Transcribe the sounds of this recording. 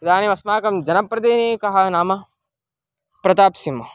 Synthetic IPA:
pɾɐd̪ʱaːniʋɐsmaːkɐmd͡ʒɐnɐpɾɐd̪eːnekɐɦɐnaːmɐ | pɾɐt̪aːpsimɐ

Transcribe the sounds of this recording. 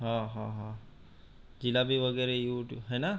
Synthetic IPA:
ɦãːɦãɦãː | d͡ʑilabiʋəɡəɾejuːʈuɦena

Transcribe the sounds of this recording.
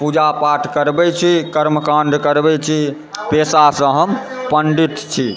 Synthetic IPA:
pud͡ʒapaʈʰkəɾbɛt͡ʃʰikəɾmkaɳɖkəɾbɛt͡ʃʰi | pesasə̃ɦəmpəɳɖit̪t͡ʃʰi

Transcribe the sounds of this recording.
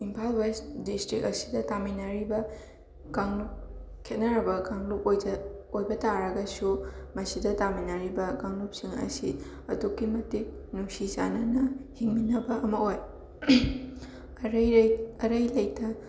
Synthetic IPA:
impʰalwesdistɾikɐsi̥dɐtaminɐɾibɐ | ɡ̥aŋlup̚ | kʰet̚nɐɾɐbɐɡaŋlupojɐojbɐtaɾɐɡɐsumɐsidɐtaminɐɾibɐɡaŋlup̚siŋɐ̰si | ɐdukːimɐtik̚ | nuŋsiza̰nɐnɐhiŋminɐbɐʔɐmɐoj | ɾɐɾɐjlɐjk̚tɐ

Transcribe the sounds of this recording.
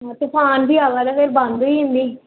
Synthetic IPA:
ɦãːt̪epʰaːnbʱiːaːʋaːd̪aːpʰeɾbãnd̪iːɦɪ̃nd̪iː

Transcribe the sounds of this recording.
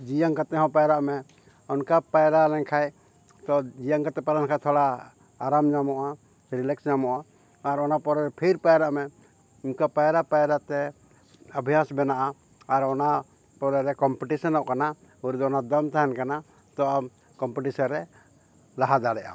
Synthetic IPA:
d͡ʒijaŋkat̪ɛɦɔ̃pajɾaʔmɛ | ɔnkapajɾalɛŋkʰaj | t̪ɔd͡ʒijaŋkat̪ɛpaɾankʰajt̪ʰɔɽaː | ɾamd͡ʒamɔʔa | ɾilɛksd͡ʒamɔʔaː | ɾɔnapɔɾɛɾɛpʰiɾpajɾaʔmɛ | imkapajɾapajɾat̪ɛ | abʱjasbɛnaʔa | aɾɔna | pɔɾɛɾɛkɔmpɛʈisɔnɔʔkana | uɾd̪ɔɔnad̪ɔmt̪aɦɛnkana | t̪ɔa | kɔmpɛʈisɔnɾɛ | laɦad̪aɽɛʔa̰

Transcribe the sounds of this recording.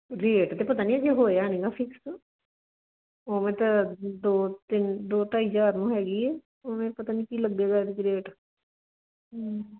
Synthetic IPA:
ɾeːʈt̪eːpət̪aːnĩːɛd͡ʒeɦoːjaːɛnɪ̃ɡaːfʰɪks | oːmɛ̃ːt̪ɐd̪oːt̪ɪnd̪oːt̪aɦid͡ʒaːɾnũːɦɛːɡiːɛː | oːmɛ̃ːpət̪aːnĩːkiːləɡ̚d̪eːɡaed̪ɪkiɾeːʈ

